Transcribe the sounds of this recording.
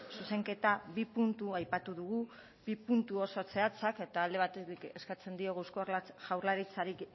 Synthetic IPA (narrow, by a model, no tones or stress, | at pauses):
suse̞ŋke̞t̪aβipunt̪uajpat̪uðuɣu | bipunt̪uosot͡se̞at͡sake̞t̪aːld̪e̞β̞at̪et̪ike̞skat͡se̞nd̪io̞ɣawskoʝawɾlaɾit͡saɾik